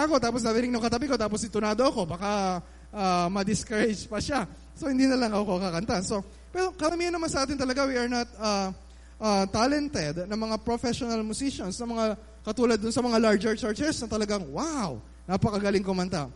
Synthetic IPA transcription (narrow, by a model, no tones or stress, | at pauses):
ʔɐko̞t̪aːpos̬nɐɾɪnɪŋnʊŋkɐt̪ɐbiko̞t̪aːposɪt̪ʊnaːd̪oɐko̞baka | ʔamɐd̪ɪskɐɾɛd͡ʒpɐʃa | sohɪnd̪iːnɐlɐŋʔɐkokɐkɐnt̪anso̞ | pɛɾo̞kɐɾɐmiːhɐnːɐmansɐʔaːt̪ɪnt̪ɐlɐɡawiɐɹnat̪̚ɐ | ʔat̪ːalɛnt̪ɛd̪nɐŋmɐŋapɹofɛʃonɐlmʊsiʃonsnɐmɐŋa | kɐt̪uːlɐd̪ːʊnsɐmɐŋalaɹd͡ʒɛɹt͡ʃaɹt͡ʃɛɹsnɐt̪ɐlɐɡaŋwaw | napɐkɐɡɐlɪŋkomɐnt̪a